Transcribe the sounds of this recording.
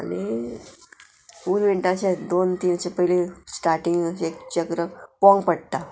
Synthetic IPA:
a̰ni | uːɾʋiɳʈãt͡ɕed̪oːnt̪iːnt͡ɕepəɦilesʈaɾʈiŋɡekt͡ɕəkɾəpɔ̃ŋɡpəɽt̪a

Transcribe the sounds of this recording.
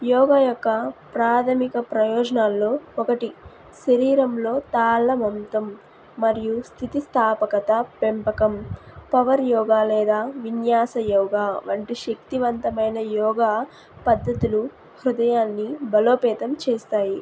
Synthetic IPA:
jɔːɡaːjɔkːɐpɾaːt̪ʰɐmikɐpɾɐjɔːd͡ʒɐnaːlːo̞ːɔkɐʈi | ʃɐɾiːɾɐmlo̞ːt̪aːlːɐmɐmt̪ɐmː | ɐɾijust̪ʰit̪ist̪ʰaːpɐkɐt̪ɐpempɐkɐmpɐʋɐɾjɔːɡaːlɛːd̪aːʋinjaːsɐjɔːɡaːʋɐɳʈiʃɐk̚t̪iʋɐnt̪ɐmɐjnɐjɔːɡaː | pɐd̪ʱːɐt̪ulu | hɾud̪ɐjaːnːibɐloːpɛːt̪ɐmt͡ʃeːst̪aːji

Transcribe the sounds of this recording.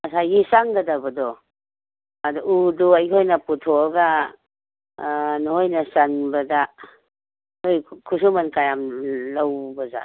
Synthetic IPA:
mɐsajɡisaŋɡɐdabɐdɔ | adɔuduajʰojnɐputʰɔɐɡa | nɔhojnɐsanbɐda | ojkʰusumankajamlawbɐza̰

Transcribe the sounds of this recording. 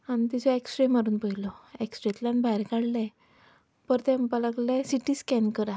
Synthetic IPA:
anit̪isɔeksʈɾemaɾuːnpəilɔeksʈɾet̪lanbʱajɾkaɽlɛ̃ | pəɾt̪ɛmpalaɡlɛsiʈiːskɛnkəɾa

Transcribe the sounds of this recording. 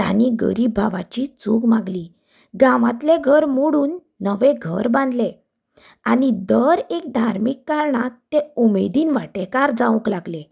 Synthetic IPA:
t̪a̰niɡə̰ɾiːbʱaʋat͡ɕit͡suɡmaɡliː | ɡãʋãt̪leɡʱəɾmoɽuːnː | əʋeɡʱəɾbãnd̪le | anid̪əɾek̚d̪ʱaɾmikːaɾɳat̪ːeumed̪iːnʋaʈekaɾd͡zãʋə̃klaɡle

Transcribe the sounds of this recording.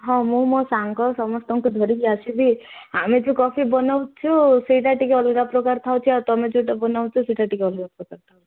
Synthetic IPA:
ɦɔ̃mũmosaŋkɔsɔmɔst̪ɔŋkud̪ʱɔɾikiasibiamed͡ʒukɔpʰibɔnawt͡ʃʰuseʈ̬aʈikeɔlɡapɾɔkaɾt̪ʰawt͡ʃʰiat̪ɔmed͡ʒuʈabɔnawt͡ʃʰɔseʈaʈikeɔlɡapɾɔkaɾt̪ʰawi̥

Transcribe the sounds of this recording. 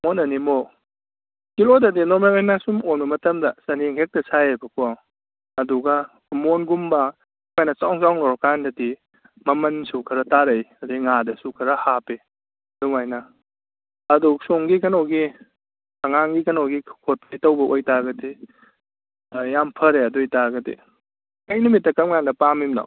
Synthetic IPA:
monɐnimo | kilodɐdinoɾmelajnasumomnɐmɐtɐmdɐsɐniŋɦek̚tɐsajebɐkuaw | ɐduɡɐ | monɡumbɐ | majnɐt͡ʃawŋsawŋlɔɾkandɐdi | mɐmɐnsukʰɐɾɐtaɾɐjɐdiŋadɐsukʰɐɾɐhape | duŋajnɐː | dusoŋɡikɐnowɡi | ɐŋaŋɡikɐnowɡikʰot̚ajtɐwbɐʔojtaɡɐdi | jampʰɐɾeɐdujtaɡɐdḭ | kɐjnumitːɐkɐmŋandɐpamimna̰

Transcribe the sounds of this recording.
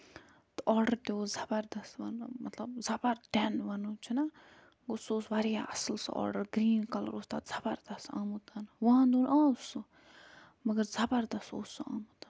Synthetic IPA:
t̪ʔɔːɾɖəɾt̪eoːzɐbəɾd̪ɐsʋɐ̰nmɐt̪lɐb̚zɐbɐɾɖɛnʋɐnut͡ʃʰinɐ | kʊsoːsʋaɾijaʔɐslsɔ̰ːɾɖəɾɡɾiːnkɐl̰ɾoːst̪a̰ːz̥ɐbɐɾd̪ɐsa̰ːmut̪ɐnʋɐãnd̪uːnãːusu | mɐɡəɾzɐbɐɾd̪ɐso̰ːsua̰ːmut̪an

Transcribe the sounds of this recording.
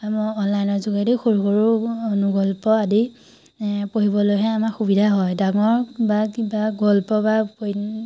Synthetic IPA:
amɔɔnlajnɔɹzuɡadexoɹuxoɹuonuɡɔlpɔadi | poɦibɔlojɦɛamaxubidʱaɦɔjdaŋɔɹbakibaɡɔlpɔbapo

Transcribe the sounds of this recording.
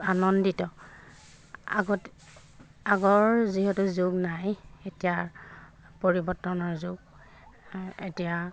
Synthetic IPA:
anɔnditɔ | a̰ɡɔt | aɡɔɹziɦɛtuzoɡnajetija | poɹibɔɹtːɔnɔɹzʊɡ | ḛtija

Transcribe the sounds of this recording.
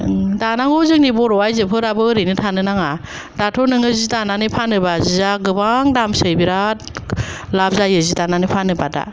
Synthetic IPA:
danaŋozɯŋnibɔɾɔwajzɯpʰɯɾabɯɾɯnɯtʰanɯnaŋa | datʰɔnɯŋɯzidananɯpʰanɯbazizaɡɯbaŋdamsɯjbiɾa | lab̚zajɯzidananɯpʰanɯbada̰

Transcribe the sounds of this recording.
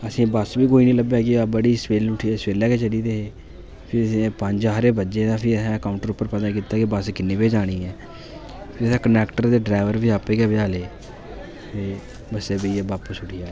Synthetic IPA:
əsĩːbəsbiːkoːiːnĩːləbɛːɡiabəɽiːspeːlʊʈʰiːespeːlɛːkeːt͡ʃəɽiːd̪eːɦeː | pʰɪɾəsẽpəɲd͡ʒɦəɾeːbətːd͡ʒeːd̪ãːpʰɪəsɛ̃ːəkaːʊɳʈəɾʊpːəɾpəd̪aːkiːt̪ːaːkibəskɪnːeːpeːd͡ʒaːɽ̃iːɛː | pʰɪɾəsɛ̃ːkənɛːkʈəɾd̪eːɖɾaːɪʋəɾbiːaːpeːɡɛːbəaːleː | t̪eː | bəseːbəieːbaːpuːsʊʈʰiːjaːeː

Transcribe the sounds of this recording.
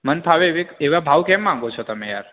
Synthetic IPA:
mənpʰaʋeʋekeʋabʱaʋkɛmːãŋɡot͡ʃʰɔt̪əmeja̰ɾ

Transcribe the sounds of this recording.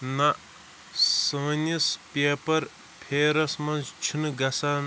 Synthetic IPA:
naʔ | sɐ̃ːnispepɐɾ | pʰeːɾɐsmɐnzt͡ʃʰunɡɐsan

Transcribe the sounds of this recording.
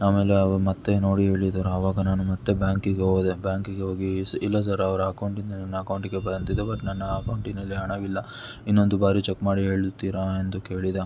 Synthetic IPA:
aːme̞ːleɐʋɐɾumɐt̪ːe̞no̞ːɽiɦe̞ːɭid̪ɐɾuɐʋaːɡɐnaːnumɐt̪ːebjaːŋkiɡɦod̪ebjaːŋkiɡeɦo̞ːɡisilːɐs̬ɐɾɐɐʋɐɾuɐkɐwɳʈind̪ɐnɐnːɐɐkɐwɳʈiɡebɐɾɐnt̪id̪ebɐʈnɐnːɐːkɐwɳʈinɐlːiɦɐɳɐʋilːɐ | inːo̞nd̪ubaːɾit͡ʃekːmaːɽiɦe̞ːɭut̪ːiːɾaːend̪uke̞ːɭid̪a

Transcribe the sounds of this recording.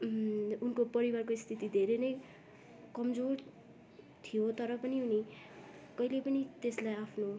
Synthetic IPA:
unkopʌɾiwarkoist̪ʰit̪id̪ʱeɾenʌj | kʌmd͡zor | t̪ʰijot̪ʌɾʌpʌniɦuni | kʌilepʌnit̪eslajapʰno

